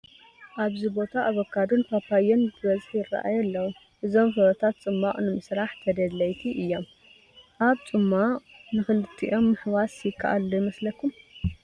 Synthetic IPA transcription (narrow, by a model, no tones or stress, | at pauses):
ʔaβzibo̞t̪ʰaʔːβokʰːad̪ɨnpʰapajɛnbɨbɐzħjɪrːɐ̰ʔa̰jɐlːɐwu | ʔɨzo̞mfɨɾɐt̪ʰat̪t͡sʼɨmːaʔʼnɨmɨsɾaħt̪ʰɐd̪ɐdlɐjt̪ʰiʔɨjːo̞m | ʔaβt͡sʼɨmːanɨxɨlɨt̪ʰːiʔo̞mːɨħwasjɪkʰːa̰ʔalːojmɐslɐkʰːum